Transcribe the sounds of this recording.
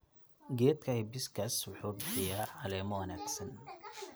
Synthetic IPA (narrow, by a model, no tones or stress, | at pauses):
ɡɛːd̪kʰɐhɪbɪskʰɐswʊħuːbɪħɪjaːʕɐlɛːmɐwɐnaːɡsɐn